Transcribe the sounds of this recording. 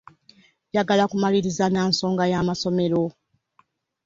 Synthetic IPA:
jaɡalakumaliɾizanaːnso̞ːŋɡajamaso̞me̞ɾo̞

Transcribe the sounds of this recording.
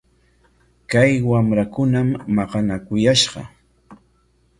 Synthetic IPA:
kajwamɾakʊnamːɑqɑnakʊjaʃɢɑ̰

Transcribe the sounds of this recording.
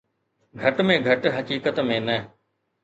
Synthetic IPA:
ɡʱɐʈmẽːɡʱɐʈɦəkiːkət̪mẽnə

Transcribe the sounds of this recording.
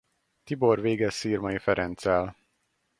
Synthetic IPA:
t̪ibo̞rveːɡɛsːiːrmɒjifɛɾɛnt̪sɛl

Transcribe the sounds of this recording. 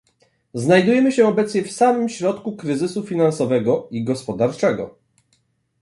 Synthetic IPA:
znajd̪ujɛmɘɕɛɔbɛt̪sɲɛfsamɘmɕɾɔt̪kukɾɘzɘsufʲinansɔvɛɡɔiɡɔspɔd̪aɾt͡ʂɛɡɔ̰

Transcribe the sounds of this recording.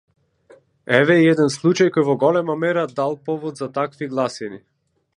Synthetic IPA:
ɛvɛiɛd̪ɛnslˠut͡ʃajkɔjvɔɡɔlɛmamɛɾad̪alˠpɔvɔd̪zat̪akviɡlˠasini

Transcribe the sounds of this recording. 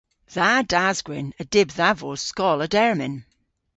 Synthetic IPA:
ðadazɡwɪnədɪbðavoskɔlˠədɛɹmɪn

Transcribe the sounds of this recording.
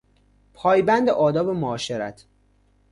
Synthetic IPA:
pʰɒːjbænd̪eʔɒːd̪ɒːbemoɒːʃeɾæt̪ʰ

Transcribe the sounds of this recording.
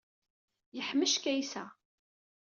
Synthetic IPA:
jəħmːəʃkæjsæ

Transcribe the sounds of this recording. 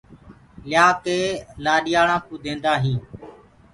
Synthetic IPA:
lɪjaːkeːlaːɗɪjaːɽãːkũːd̪ẽːnd̪aːɦĩː

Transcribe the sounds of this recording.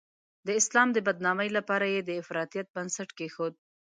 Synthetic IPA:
d̪əɪslɑmd̪əbad̪nɑməjlapɑɾajed̪əɪfɾɑt̪ijat̪̚bansaʈkexod̪̚

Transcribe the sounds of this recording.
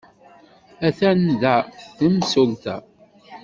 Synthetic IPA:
æθænðæəmsʊlt̪æ̰

